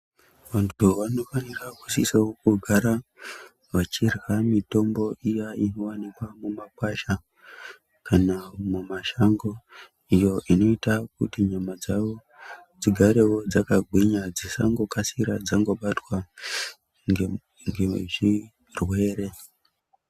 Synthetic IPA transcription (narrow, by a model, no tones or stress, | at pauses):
ʋantuʋano̞faniraku̥sisaokuɡʱaɾa | ʋat͡ʃirwamito̞mbo̞ʔijaino̞wanikwamumakwaʃa | kanamumaʃaŋɡo̞ | ijo̞ʔino̞itakṵtiɲamad͡zaʋo | d͡ziɡʱaɾe̞wo̞d͡zakaɡʱwiɲad͡zisa̰ŋɡo̞kasiɾad͡zaŋɡo̞ɓatwa | ŋɡeʐi | rwe̞ːɾe̞